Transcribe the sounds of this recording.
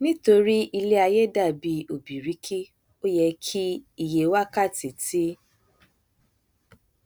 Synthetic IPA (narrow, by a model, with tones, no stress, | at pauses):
nĩ˦to˧ɾi˦i˧le˦a˧je˦da˦˨bi˧o˨bi˨ɾi˨˦kʰi˦ | o˦jɛ˧kʰi˦i˦˨je˨wa˦ka˦˨ti˨ti˦